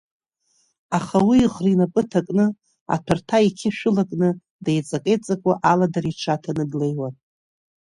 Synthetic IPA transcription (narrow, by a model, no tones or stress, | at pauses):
aχawiːʁrinapʼɨtʰakʼnɨ | a̰tʰartʰaikʲʰɪʃᶣʊlakʼnɨ | dajt͡sʼakʼejt͡sʼakʷʼaʔaladariʈ͡ʂʰatʰanɨɡlejwan